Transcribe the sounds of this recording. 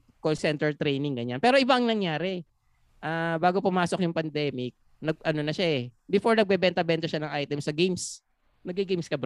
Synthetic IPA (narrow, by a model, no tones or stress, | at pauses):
kolsɛnt̪ɛɹt̪ɾejnɪŋɡɐɲanpɛːɾoʔɪbaʔɐŋnɐŋjaːɾɛ | ʔaːbaːɡopʊmaːsok̚jʊŋpɐnd̪ɛːmɪk̚ | nɐɡ̚ʔɐnonɐʃaʔɛ | bɪfo̞ɹnɐɡ̚bɛbɛnt̪ɐbɛnt̪ɐʃanɐŋʔajt̪ɛmsɐɡejms | nɐɡiɡejmskɐb